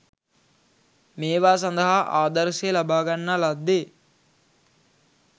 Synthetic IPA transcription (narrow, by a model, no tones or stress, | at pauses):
meːʋaːs̬ɐnd̪ɐɦaʔaːd̪ɐɾselɐbaːɡɐnːalɐd̪ːe